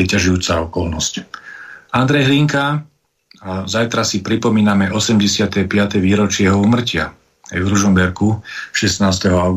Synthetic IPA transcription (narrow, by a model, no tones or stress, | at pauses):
ɛcaʒujuːt͡saɔkɔlnɔsc | and̪ɾɛjɦliŋka | zajt̪ɾasipɾipɔmiːnamɛʔɔsɛmɟɛsɪat̪ɛpɪat̪ɛʋiːɾɔt͡ʃɪɛɦɔuːmr̩cɪa | ajvɾuʒɔmbɛɾkuʃɛsnaːst̪ɛɦɔaʊɡ